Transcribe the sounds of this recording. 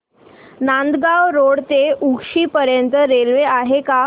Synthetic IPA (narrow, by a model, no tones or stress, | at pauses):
nand̪ɡawɾoɽt̪eʔukʂiːpəɾjənt̪əɾelʋeaɦeka